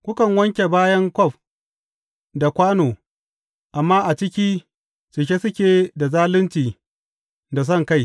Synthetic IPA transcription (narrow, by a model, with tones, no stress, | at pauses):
kʷʊ˦kɐ˨ŋwɐ˦ŋkʲe˨baː˦jɐ˦ŋkʷɔ˦ɸ | da˨kʷaː˦noː˨ | ʔa˨mːaː˦ʔa˨t͡ʃɪ˦kʲiː˦ | t͡ʃɪ˨ʃ̬ʲe˦sʊ˦kʲeː˨da˨zaː˦lɪ˦nt͡ʃiː˨ | da˨s̬ɐ˦˨ŋka˦˨j